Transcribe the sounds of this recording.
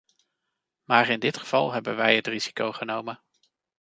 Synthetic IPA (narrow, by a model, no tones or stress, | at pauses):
maːɹɪndɪtχəv̥ɑ̰lˠɦɛbənʋɛjɦətriz̥i̥kowχənowmən